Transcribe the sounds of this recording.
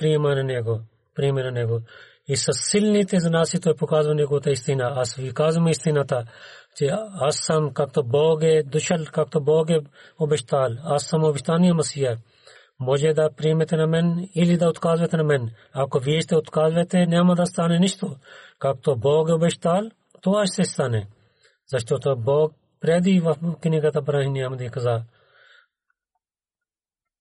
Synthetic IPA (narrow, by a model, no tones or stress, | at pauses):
pɾiːmaneneːɡoː | pɾiːmenɐneːɡoː | isɐsɪlnit̪ezɐnaːsit̪oːpukaːzmɐneɡoːt̪aɪst̪inaɐsʋikaːzmeɪst̪inaːt̪at͡ʃeɐsɐmkɐk̚t̪oːboːɡed̪ʊʃʰɐlkɐk̚t̪oboːɡeobeʃt̪aːlɐsɐmoːbɪʃt̪aːnijamɐsiːɐ | moːd͡ʒed̪apɾiːmet̪enamenilid̪aːʊt̪kaːzʋeːt̪ʰenɐmen | aːkoʋieʃt̪eʊt̪kaːzʋet̪enaːmɐd̪ɐst̪aːnenɪʃt̪oːkɐk̚t̪oboːɡeubeʃt̪aːl | t̪oaːʃt̪est̪aːne | zɐʃt̪oːt̪oboːɡ̚ | pɾeːd̪iːʋɐkɪnikɐt̪abɐɾãːɦĩnjaːmɐd̪ikɐzaː